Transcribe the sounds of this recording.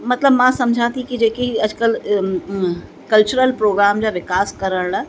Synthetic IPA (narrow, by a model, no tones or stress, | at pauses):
mɐt̪ləbmãsɐmd͡ʑʱãt̪ʰikid͡ʑeːkiiɐd͡ʑkəl | kɐlt͡ɕʊɾəlpɾoːɡɾaːmd͡ʑaːʋɪkaːskɐɾəɽɽa